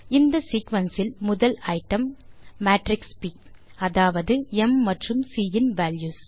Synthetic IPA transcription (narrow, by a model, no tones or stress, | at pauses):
ɪnd̪ɐsiːkʋɐnsɪlmʊðɐlɐɪʈːɐmːaːʈɾɪkspiː | ɐðaːʋɐðɯɛmːɐʈrɯmsiːɪnʋaːljuːs